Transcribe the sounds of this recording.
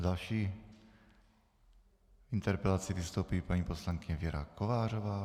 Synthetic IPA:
d̪alʃiː | int̪ɛɾpɛlat͡sɪvɪst̪owpiːpaɲiːposlaŋkɪɲɛvɪjɛɾa̰kovaːr̝ovaː

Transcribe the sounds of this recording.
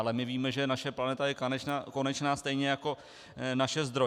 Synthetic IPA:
alɛmɪviːmɛʒɛnaʃɛplanɛt̪ajɛkanɛt͡ʃnaːko̞nɛt͡ʃnaːst̪ɛjɲɛjako̞ | naʃɛzd̪ɾo

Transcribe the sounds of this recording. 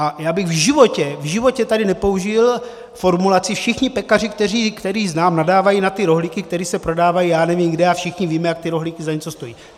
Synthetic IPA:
ʔajaːbɪɣvʒɪvo̞cɛvʒɪvo̞cɛt̪adɪnɛpo̞uʒɪl | fo̞ɾmulat͡sɪfʃɪxɲɪpɛkar̝ɪk̚t̪ɛr̝iːkt̪ɛɾiːznaːmnadaːvajinat̪ɪɾo̞ɦlikɪk̚t̪ɛɾiːsɛpɾodaːvajijaːnɛviːmɡdɛafʃɪxɲɪviːmɛjak̚t̪ɪɾo̞ɦlikɪzaɲɛt͡so̞st̪o̞jḭː

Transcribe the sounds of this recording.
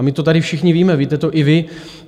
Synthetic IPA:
mɪt̪o̞t̪adɪfʃɪxɲɪviːmɛviːt̪ɛt̪o̞ʔɪvɪ

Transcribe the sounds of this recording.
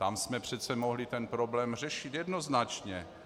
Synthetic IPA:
t̪amsmɛpr̝̥ɛt̪t͡sɛmoɦlɪt̪ɛnpɾoblɛːmr̝ɛʃɪt̪jɛd̪noznat͡ʃɲɛ

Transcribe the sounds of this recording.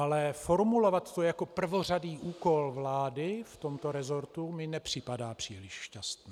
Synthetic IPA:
ʔalɛfo̞ɾmulo̞vat̪ːojako̞pr̩vo̞r̝adiːʔuːko̞lvlaːdɪft̪o̞mt̪o̞ɾɛzo̞ɾt̪umɪnɛpr̝̥ɪpadaːpr̝̥iːlɪʃʃcast̪nɛː

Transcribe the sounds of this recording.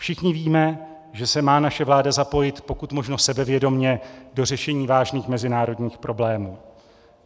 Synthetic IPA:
fʃɪxɲɪviːmɛ | ʒɛsɛmaːnaʃɛvlaːdazapo̞jɪt̪po̞kut̪mo̞ʒnosɛbɛvjɛdo̞mɲɛdo̞r̝ɛʃɛɲiːvaːʒniːxmɛzɪnaːɾo̞dɲiːxpɾʔo̞blɛːmuː

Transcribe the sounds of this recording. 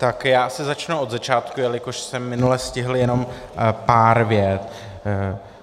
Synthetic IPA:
t̪akjaːsɪzat͡ʃnuʔod̪zat͡ʃaːt̪kujɛlɪko̞ʃsɛmːɪnulɛscɪɦl̩jɛno̞m | paːɾvjɛt̪

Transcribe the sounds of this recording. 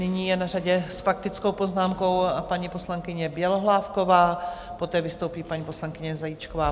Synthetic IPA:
nɪɲiːjɛnaraɟɛsfakt̪ɪt͡sko̞wpo̞znaːmko̞wpaɲipo̞slaŋkɪɲɛbjɛloɦlaːfkovaːpo̞t̪ɛːvɪst̪o̞wpiːpaɲiːpo̞slaŋkɪɲɛzajit͡ʃkovaː

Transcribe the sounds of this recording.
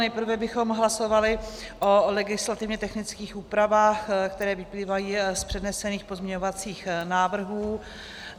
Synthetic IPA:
nɛjpr̩vɛbɪxo̞mɦlaso̞valɪʔolɛɡɪslat̪ɪvɲɛt̪ɛxnɪt͡skiːxʔuːpɾavaːxkt̪ɛɾɛːvɪpliːvajiːspr̝̥ɛdnɛsɛniːxpozmɲɛɲovat͡siːxnaːvr̩ɦuː

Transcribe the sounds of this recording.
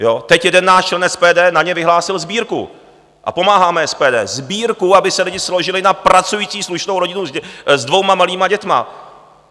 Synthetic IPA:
jo̞t̪ɛcjɛdɛnːaːʃt͡ʃlɛnɛspɛːdɛːnaɲɛvɪɦlaːsɪlzbiːɾkṵ | ʔa̰po̞maːɦaːmɛɛspɛːdɛːzbiːɾkuabɪsɛlɪɟɪsloʒɪlɪnapɾat͡sujiːt͡siːsluʃnowɾo̞ɟɪnuzdvo̞wmamaliːmaɟɛt̪ma̰

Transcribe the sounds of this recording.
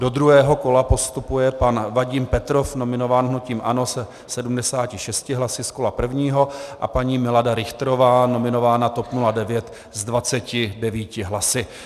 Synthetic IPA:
do̞d̪ɾuɦɛːɦo̞ko̞lapo̞st̪upujɛpanvaɟɪmpɛt̪ɾo̞fno̞mɪno̞vaːnɦnuciːmʔano̞sɛ | sɛdumdɛsaːcɪʃɛscɪɦlasɪsko̞lapr̩vɲiːɦo̞ʔa̰paɲiːmɪladaɾɪxt̪ɾovaːno̞mɪno̞vaːnat̪o̞pnuladɛvjɛt̪ | zdvat͡sɛcɪdɛviːcɪɦlasɪ

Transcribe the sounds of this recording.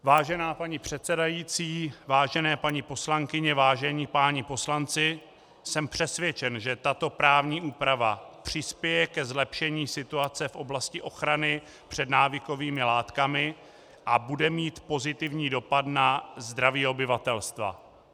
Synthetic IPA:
vaːʒɛnaːpaɲipr̥ɛt̪t͡sɛdajiːt͡siːvaːʒɛnɛːpaɲɪpo̞slaŋkɪɲɛvaːʒɛɲiːpaːɲɪpo̞slant͡sɪ | sɛmpr̝̥ɛsvjɛt͡ʃɛnʒɛt̪at̪o̞pɾaːvɲiːʔuːpɾavapr̝̥ɪspjɛjɛkɛzlɛpʃɛɲiːsɪt̪uat͡sɛfʔo̞blascɪʔo̞xɾanɪ | pr̝̥ɛdnaːvɪko̞viːmɪlaːt̪kamɪ | ʔabudɛmiːt̪po̞zɪt̪ɪvɲiːdo̞pad̪nazd̪ɾaviːo̞bɪvat̪ɛlst̪va̰

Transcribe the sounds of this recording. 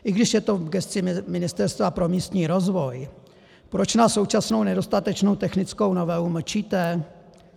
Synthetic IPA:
ʔɪɡdɪʃjɛt̪o̞ɡɛst͡sɪmɪnɪst̪ɛɾst̪vapɾo̞miːst̪ɲiːɾo̞zvo̞j | pɾo̞t͡ʃnaːsso̞wt͡ʃasno̞wnɛdo̞st̪at̪ɛt͡ʃno̞wt̪ɛxnɪt͡sko̞wno̞vɛlumr̩t͡ʃiːt̪ɛ

